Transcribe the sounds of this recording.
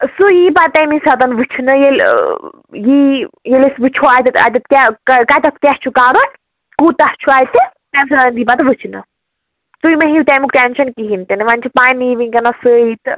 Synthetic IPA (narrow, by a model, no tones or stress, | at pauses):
sujipat̪emisɐt̪ɐnʋɨt͡ʃʰnɨjel | jijelesʋɨt͡ʃʰoaːt̪ɨt̪ɐ̰t̪ɐt̪kʲɛkkat̪ɐt̪̚kʲɛht͡ʃʰukaːɾon | kut̪ɐht͡ʃʰuaːjt̪ɨ | t̪ɛmsɐd̪ɐnd̪iːpat̪ʋɨt͡ʃʰnɨ̰ | sujmɐɦit̪ɛmukʈenʃɐnkiɦint̪ɨnʋanʲt͡ʃʰupaːniʋinʲkɐnasəit̪ɨ